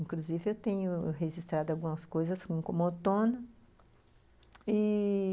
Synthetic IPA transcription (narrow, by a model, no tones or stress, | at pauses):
ĩkluzivɪewt̪ẽɲʊɦeʒist̪ɾad̪ʊawɡũmɐskojzɐskõkõmot̪õnɐ | i